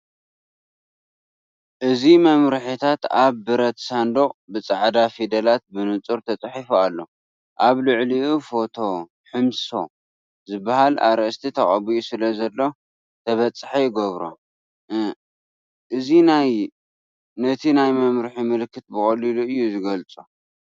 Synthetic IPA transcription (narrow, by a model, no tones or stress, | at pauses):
ʔɨzimɐmɾɨħit̪ʰat̪aβːɨɾɐt̪sand̪oχʼbɨt͡sʼaʕd̪afid̪ɐlat̪̚bɨnɨt͡sʼuɾt̪ʰɐt͡sʼħifualːo̞ | ʔaβluʕliʔufo̞t̪ʰo̞ | ħɨmso̞ | zɨbːahala̰ɾst̪ʰit̪ʰɐχʼɐbijusɨlɐzɐlːo̞ | t̪ʰɐβɐt͡sʼːħejɪɡoβɾo̰ | ʔɨzinaj | nɐt̪ʰinajmɐmɾɨħimɨlkʰːɨt̪̚bɨχʼɐliluɨjːuzɨɡɐlt͡sʼu